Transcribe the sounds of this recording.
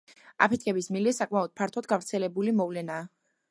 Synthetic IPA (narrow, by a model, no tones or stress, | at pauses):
a̰pʰɛt̪̚ʰkʰɛbismilɛsakʼmaɔd̪̥̚pʰaɾt̪ʰɔd̪̚ɡavɾt̪sʰɛlɛbulimɔvlɛnaː